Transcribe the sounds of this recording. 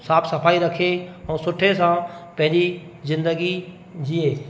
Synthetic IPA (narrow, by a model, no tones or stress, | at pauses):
saːpʰsɐfʰaːiɾɐkʰeɛ̃ːsʊʈʰes̬ãpɐ̃ɦɪ̃ɲd͡ʑi | zɪ̃nd̪əɡi | d͡ʑieː